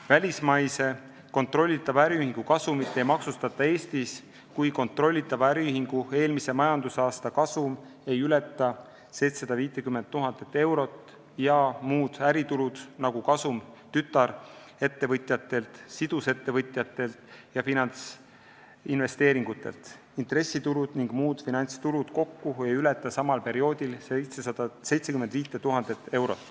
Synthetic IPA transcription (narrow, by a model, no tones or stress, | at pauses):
vælʲismɑjse̞ | ko̞nt̪ˑro̞lʲːit̪ːˑɑb̥æɾiyɦiŋɡ̥ukɑsumit̪ːˑe̞jmɑksust̪ɑt̪ːˑɑe̞ːst̪is | kujko̞nt̪ˑro̞lʲːit̪ːˑɑb̥ɑæɾiyɦiŋɡ̥ue̞ːlmise̞mɑjɑnd̪̥usɑːst̪ɑkɑsum | e̞jylet̪ˑːɑ | se̞jt̪sɑd̪ɑviːt̪ːˑekymːent̪ːuɦɑnd̪̥et̪ːˑe̞wɾo̞t̪ːˑ | jɑmuːd̪̥æɾit̪ulud̪̥nɑɡukɑsumt̪yt̪ːˑɑɾ | e̞t̪ːe̞vɤt̪ʲˑjɑt̪ːˑe̞lt̪sid̪̥use̞t̪ːe̞vɤt̪ʲˑjɑt̪ːˑe̞lt̪jɑfinɑnt̪s | inve̞st̪e̞ːɾiŋɡ̥ut̪ːˑe̞̰lt̪ | int̪re̞sːit̪uɾud̪̥niŋɡ̥muːd̪̥finɑnʲt̪st̪uɾud̪̥ko̞kːuejylet̪ːˑɑsɑmɑlpe̞ɾio̞ːd̪ilsejt̪sesɑd̪ɑse̞jt̪sekymend̪̥viːt̪ːˑet̪uɦɑnd̪̥et̪ːˑe̞wɾo̞̰t̪ːˑ